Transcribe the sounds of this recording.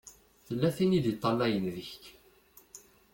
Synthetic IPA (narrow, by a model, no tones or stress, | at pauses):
θəlːæθiniðit̪ˤːɑlːæjənðəçk